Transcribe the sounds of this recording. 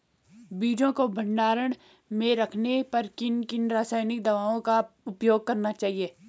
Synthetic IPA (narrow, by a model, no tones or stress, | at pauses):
biːd͡ʒõkobʱɐ̃ɳɖaːɾəɽ̃ | mẽɾɐkʰnepɐɾkɪnkɪnɾaːsaːɪnɪk̚d̪ɐʋaːõkaʊpjoːɡ̚kɐɾnat͡ʃaːɦieː